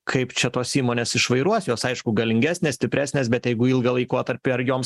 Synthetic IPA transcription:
kʰɐɪpt͡ʃʲɛt̪oːsiːmoːnʲeːsɪʃʋɐɪɾuɔsjoːsɐɪʃkʊɡɐlʲɪŋʲɡʲæːsʲnʲesʲt̪ʲɪpʲɾʲæːsʲnʲeːsbʲɛt̪jɛɪɡʊɪlˠɡɐlˠɐɪkoːt̪ɐɾʲpʲɪɐɾjoːms

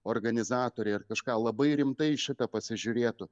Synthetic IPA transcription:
oːrɡɐnʲɪzɑːt̪oːɾʲɛɪɪrkɐʃkɑːlˠɐbɐɪɾʲɪmt̪ɐɪʃʲɪt̪ɐpɐsʲɪʒʲʊɾʲeːt̪ʊ

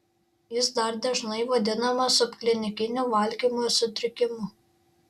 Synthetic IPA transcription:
jɪs̬d̪ɐɾd̪ʲɐʒnɐɪʋɐd̪ʲɪnɐmɐsʊpʲklʲɪnʲɪkʲɪnʲuʋɐlʲɡʲiːmusʊt̪ʲɾʲɪkʲɪmʊ

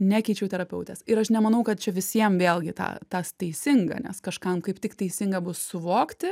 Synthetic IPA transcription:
nʲækʲɛɪt͡ʃʲɛʊt̪ʲɛɾɐpʲɛʊt̪ʲɛsɪɾɐʃnʲɛmɐnɐʊkɐt̪̚t͡ʃʲɛʋʲɪsʲiɛmʋʲeːlˠʲɡʲɪt̪ɑ̰ːt̪ɐst̪ʲɛɪsʲɪŋɡɐ̰nʲɛ̰skɐʃkɐmkɐɪpt̪ʲɪkt̪ɛɪsʲɪŋɡɐbʊssʊʋoːkt̪ʲɪ

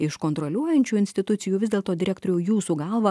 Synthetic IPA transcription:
ɪʃkoːnt̪ɾɔlʲuɔjɛnʲt͡ʃʲuːɪnʲsʲt̪ʲɪt̪ʊt̪sʲɪjuːʋʲɪzdʲeːlˠt̪oːd̪ʲɪɾʲɛkt̪oːɾʲɛːjuːsuːɡɑlˠʋɐ

